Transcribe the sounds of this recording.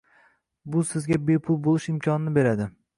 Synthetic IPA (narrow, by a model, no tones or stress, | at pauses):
bʊsɪzɡʲabe̞pʰʊlˠbolˠɪʃɪmkʲʰɒnɪnɪbe̞ɾad̪ɪ